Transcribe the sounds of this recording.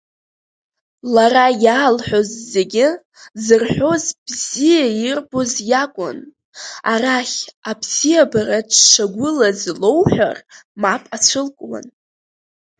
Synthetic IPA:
larajaːlħʷo̞zːe̞ɡʲɪ | zɨrħʷᶣo̞zb̥zijairbozjakʷʼʊ̰n | araχʲabz̥ijabaɾatʰʂaɡʷʊlazlo̞wħʷᶣa̰r | mapʼat͡ɕʷʰɨlkʷʼwa̰n

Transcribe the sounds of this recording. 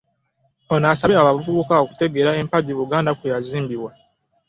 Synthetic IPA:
onaːsaβeaβavuvukao̞ku̥te̞ɡe̞ɾae̞mpaɟiβuɡaːndakwejaziːmbiβwa

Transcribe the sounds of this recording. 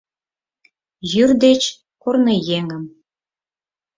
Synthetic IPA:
jyrd̪et͡ɕ | kurnɤjeŋə̆m

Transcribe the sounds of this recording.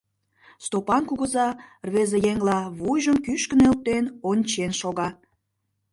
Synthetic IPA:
st̪opɑnkuɣəzɑrβezejeŋlɑβujʒəmkyʃkənel̚t̪enonʲt͡ɕenʃoɣɑ

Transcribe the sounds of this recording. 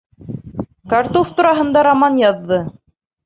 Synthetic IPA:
kart̪oft̪uɾɑɦɤ̆nd̪ɑɾamɑnjɑðːɤ

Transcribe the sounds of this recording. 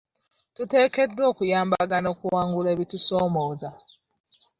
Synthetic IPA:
tute̞ːke̞dwo̞ːkujaːmba̰ɡano̞ːkuwaːŋɡuleβituso̞ːmoːza

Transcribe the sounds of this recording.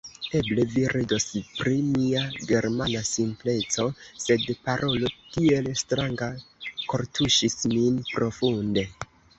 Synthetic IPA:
e̞ble̞viɾido̞spɾimiaɡe̞ɾmanasimple̞t͡so̞se̞dpaɾʔo̞lo̞tie̞lstɾaŋɡako̞ɾtʰuʃisminpɾo̞funde̞

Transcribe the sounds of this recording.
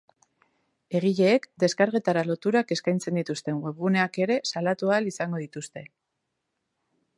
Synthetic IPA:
e̞ɣiʎe̞ːkd̪e̞skaɾɣe̞t̪aɾalo̞t̪uɾake̞skajnt͡se̞nd̪it̪ust̪e̞ŋɡweβɣune̞ake̞ɾe̞salat̪ualisaŋɡo̞ðit̪ust̪e̞

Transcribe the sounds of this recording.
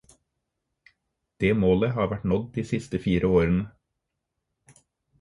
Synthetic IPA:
d̪̥eːmoːləhɑːʋæʈɳɔd̪d̪iːsɪst̪əfiːɾʔəoːɾənə

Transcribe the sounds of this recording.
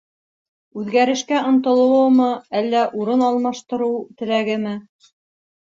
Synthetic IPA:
ʉðɡæɾɘ̆ʃkæʔŏnt̪ɤ̆lˠɤ̆wɤmɤælːæʔuɾɤnɑlˠmɑʃt̪ɤ̆ɾɤwt̪ɘ̆læɡɘ̆mɘ

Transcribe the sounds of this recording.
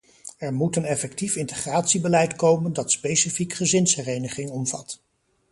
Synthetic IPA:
ɛɹmutənɛfɛk̚tifɪntəχraːtsibəlɛjtkowməndɑtspejsifikχəzɪnsfərejnəχɪŋɔmvɑ̰t

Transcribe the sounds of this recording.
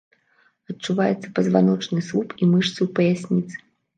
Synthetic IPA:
ɐt͡ʂːuvajɛt̪sːɐpɐzvanɔt͡ʂnɨslˠupimɨʂt̪sɨwpɐjasʲnʲit̪sɨ̥

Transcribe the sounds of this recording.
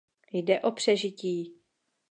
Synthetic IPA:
jdɛʔo̞pr̝̥ɛʒɪciː

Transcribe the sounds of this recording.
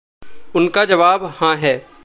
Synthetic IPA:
ʊnkad͡ʒɐʋaːbhãɦɛː

